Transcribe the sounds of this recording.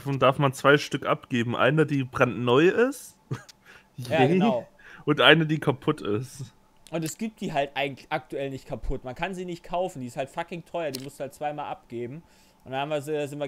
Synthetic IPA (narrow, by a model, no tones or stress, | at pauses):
fɔndaɐfmant͡sv̥aɪʃtʏkʔa̰pɡ̥eːbm̩ʔa̰ɪnədiːbʁantnɔʏɪs | jaenʊ | ʔʊntʔaɪnədiːkʰapʰʊtʰɪst | ʔʊntɛsɡ̥iːp̚t̚d̥iːɦaltʔaɪɡŋ̩tlɪʔak̚tuɛlnɪçtkʰapʰʊtmankʰanziːnɪçtkʰaʊfn̩diːɪsthaltfakɪŋtʰɔʏɐdiːmʊstd̥uːhaltt͡sv̥aɪmaːlʔap̚ɡ̥eːbm̩ | ʔʊnd̥anhamviːɐɛzɪntviɐ